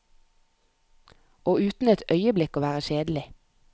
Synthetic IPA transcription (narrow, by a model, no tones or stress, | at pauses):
oːʉːt̪n̩ɛt̪ʰœʏəblɪkoːʋæːʁəʃeːd̪l̩ɪ